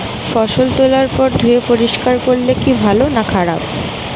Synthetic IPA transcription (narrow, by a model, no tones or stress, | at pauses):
fɔʃolt̪olaɾpɔɾd̪ʱuepoɾiʃkaɾkoɾlekibʱalonakʰaɽa̰b